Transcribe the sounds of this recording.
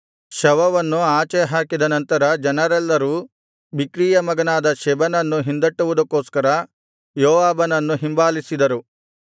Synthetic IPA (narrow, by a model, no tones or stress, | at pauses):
ʃɐʋɐʋɐnːuaːt͡ʃɛɦaːkid̪ɐnɐnt̪ɐɾɐd͡ʒɐnɐɾɛlːɐɾuː | bikɾiːjɐmɐɡɐnaːd̪ɐʃɛbɐnɐnːuɦind̪ɐʈːuʋud̪ɐkːoːskɐɾɐ | joːʋaːbɐnɐnːuɦimbaːlisid̪ɐɾu